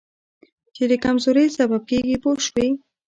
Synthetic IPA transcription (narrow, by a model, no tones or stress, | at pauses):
t͡ʃed̪əkamzoɾəjsabab̚keɡipoʃwi